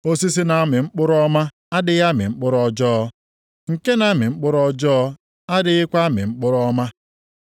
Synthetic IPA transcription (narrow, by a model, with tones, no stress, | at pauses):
o˦si˦s̬i˦na˨a˦mɪ˨ŋ͡m̩˦k͡pʊ˦ɾɔ˦ma˦ | a˦dɪ˨ja˦mɪ̰˨ŋ͡m̩˦k͡pʊ˦ɾɔ˦d͡ʒɔː˦ɔ˦ | ŋ̩˨ke˦na˦mɪ˨ŋ͡m̩˦k͡pʊ˦ɾɔ˦d͡ʒɔː˦ | a˦dɪ˨˦ɪ˦kʷa˦mɪ̰˨ŋ͡m̩˦k͡pʊ˦ɾɔ˦ma˦